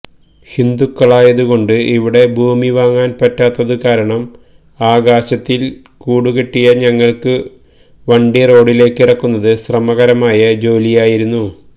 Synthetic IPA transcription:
hind̪ukːɐɭaːjɐðuɣo̞ɳɖɨiʋiɽe̞bʱuːmiʋaːŋːaːnpɐtːaːt̪ːɐðɨkaːɾɐɳɐm | aːɡaːɕɐt̪ːil | kuːɽukeʈːijɐɲɐŋːɐɭkɨ | ʋɐɳɖijɐro̞ːɽile̞ːkːirɐkːunːɐðɨɕrɐmɐɣɐɾɐmaːjɐd͡ʑo̞ːlijaːjiɾunːu

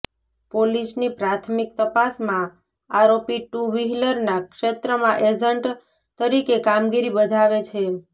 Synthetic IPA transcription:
polisnipɾat̪ʰmik̚t̪əpasmã | aɾopiʈuʋiɦləɾnakʃet̪ɾəmãʔed͡ʒəɳʈ | t̪əɾikekamɡiɾibəd͡ʒʱaʋet͡ʃʰe

